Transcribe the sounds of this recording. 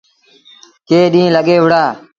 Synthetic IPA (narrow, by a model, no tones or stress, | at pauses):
keːɗĩːləɠeːʋʊɽaː